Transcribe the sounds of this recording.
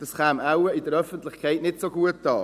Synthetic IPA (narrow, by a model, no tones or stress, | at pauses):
d̥ɑsχaːmaʊəɪdəɾœfəntlɪχkʰaɪtnɪtsoɡuət̚d̥ɑː